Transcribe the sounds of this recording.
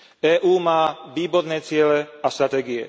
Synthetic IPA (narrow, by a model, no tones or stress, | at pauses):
ɛːʔuːmaːʋiːbɔɾnɛːt͡sɪɛlɛast̪ɾat̪ɛːɡiɛ̰